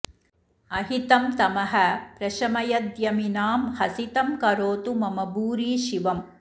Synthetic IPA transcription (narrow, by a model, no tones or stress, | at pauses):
ɐɦit̪ɐmt̪ɐmɐɦɐ̆pɾɐʃɐmɐjɐd̪jɐminaːmhɐsit̪ɐmkɐɾoːt̪umɐmɐbuːɾiːʃiʋɐm